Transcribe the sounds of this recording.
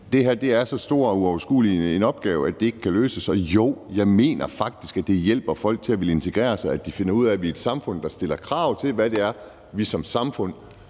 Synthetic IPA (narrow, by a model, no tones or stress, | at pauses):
d̥e̝ɦæɐ̰d̥e̝æɐsɒ̽sd̥o̝ɐ̰ɒuɒʊɐsɡ̥ṵːlie̝nɒ̽b̥ɡ̥ɛːʊæd̥e̝e̝ɡ̥əkʰæløːsəsɒ̽joʊ̰jɑ̈ɪme̝̰ːnɐfɑ̈ɡ̥̚d̥isɡ̥æd̥e̝jel̰b̥ɐfɒ̽l̰ɡ̥̚t͡sʰe̝læʋe̝le̝nt͡sʰe̝ɡ̥ʁɛ̰ːɐsɑ̈ɪæd̥ife̝nɐuð̞̰ˠæʋie̝d̥sɑ̈mfɔ̽n̰d̥ɑ̈sd̥e̝l̰ɐkʰʁɑ̈ʊ̰t͡sʰe̝lʋæd̥e̝æɐ | ʋisɒ̽msɑ̈mfɔ̽n̰